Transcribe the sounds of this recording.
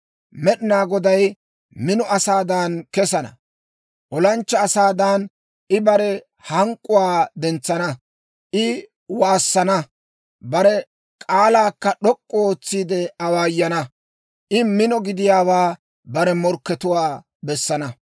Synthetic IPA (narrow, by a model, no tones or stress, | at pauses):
mɛɗɪnaːɡɔd̪ɐj | mɪnɔʔɐsaːd̪ankɛsɐnɐ̰ | ʔɔlɐnt͡ʃːɐːsaːd̪aːn | ʔɪbɐɾɛ | hɐŋkʼːʊwaːd̪ɛnt͡sːɐnɐ | ʔɪ | waːsːɐnɐ | bɐɾɛ | kʼaːlaːkːɐɗɔkʼːɔoːt͡sːiːd̪ɛɐwaːjːɐnɐ | ʔɪmɪnɔɡɪd̪ɪjaːwaː | bɐɾɛmɔɾkːɛt̪ʊwaː | bɛsːɐnɐ